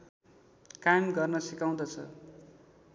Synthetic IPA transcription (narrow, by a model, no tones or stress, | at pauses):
kamɡʌrnʌsikaw̃d̪ʌt͡sʰʌ̰